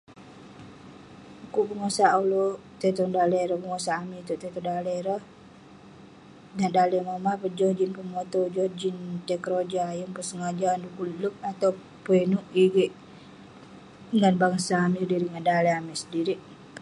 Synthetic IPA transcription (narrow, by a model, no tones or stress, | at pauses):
kuʔpəŋosaalot̪ɛt̪ɔŋdalɛɾɔhpəŋosaːmit̪uʔt̪ɛt̪ɔdalɛɾəh | nadalɛmamapəd͡ʒɔhd͡ʒinpəmot̪ɔd͡ʒɔhd͡ʒint̪ɛkɾod͡ʒajəŋpəsəŋad͡ʒandukuluk̚at̪aw | puɛnuʔiɡɛʔ | ŋanbaŋsaːmidiɾiŋandalɛamɛsədiɾiʔ